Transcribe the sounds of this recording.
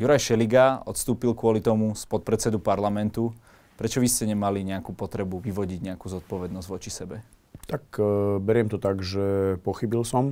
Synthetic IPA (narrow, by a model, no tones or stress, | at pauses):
juɾajʃɛliɡaɔ̰t̪st̪uːpilkʊɔlit̪ɔmuspɔt̪̚pɾɛt͡ssɛd̪upaɾlamɛnt̪u | pɾɛt͡ʃɔʋiscɛɲɛmaliɲɛakuːpɔt̪ɾɛbuʋiʋɔɟiɟɲɛakuzɔt̪̚pɔʋɛd̪nɔzɟʋɔt͡ʃisɛbɛt̪akbɛɾɪɛmt̪ɔt̪aɡʒɛpɔxibilsɔm